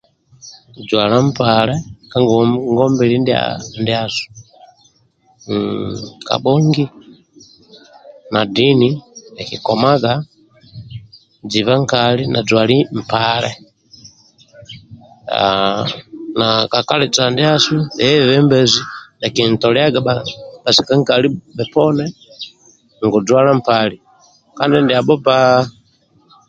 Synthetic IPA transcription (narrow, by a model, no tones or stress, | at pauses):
d͡ʒwalam̩palɛkaŋɡɔŋɡɔmbɛlindia̰ndiasu̥ | ka̰ɓɔŋɡi | nadiniɛkikɔmaɡa | d͡ʒivaŋkalinʔa̰d͡ʒwalim̩palɛ̰ | a̰ | nakakalɛt͡sandiasuɛvɛmbɛzinakintɔlɛaɡabab̥asikaŋkalibɛpɔnɛ | ŋɡud͡zwalam̩pali | kandɛndiabɔpa